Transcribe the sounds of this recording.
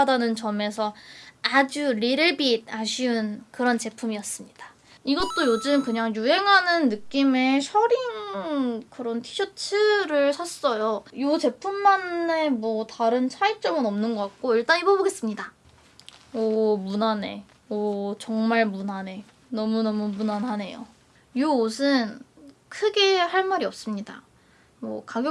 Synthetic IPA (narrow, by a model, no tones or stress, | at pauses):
adanɯnt͡ɕʌme̞sʰʌad͡ʑuɾiɾɯɭbid̚aɕʰiunkɯɾʌnt͡ɕe̞pʰumijʌs͈ɯmɲid̥ḁ | iɡʌt̚t͈ojod͡ʑɯmkɯɲaŋjuɦe̞ŋɦanɯnːɯk͈ime̞ɕʰʌɾiŋkɯɾʌntʰi̥ɕʰʌt͡ɕʰɯɾɯɭsʰas͈ʌjojot͡ɕe̞pʰumːanːe̞mwʌtaɾɯnt͡ɕʰait͡ɕ͈ʌmɯnʌmnɯnɡʌk͈ak̚k͈oiɭt͈anibʌboɡe̞s͈ɯmɲida | ʌmunane̞̰ | ʌt͡ɕʌŋmaɭmunane̞ | nʌmunʌmumunanɦane̞jo̰ | joosʰɯn | kʰɯɡe̞haɭmaɾiʌp̚s͈ɯmɲida̰ | mwʌkaɡjo